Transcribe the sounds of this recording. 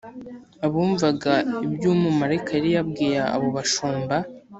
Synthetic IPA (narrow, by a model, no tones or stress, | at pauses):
aβuːɱvaɡaibjuːmumaɾekʰajɾijabɡiːɾaa̰βoβaʃuːmba